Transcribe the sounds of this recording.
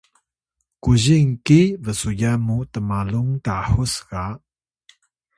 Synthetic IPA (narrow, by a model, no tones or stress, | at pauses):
kuziŋkivəsujamutəmaluŋtaħusɡaʔ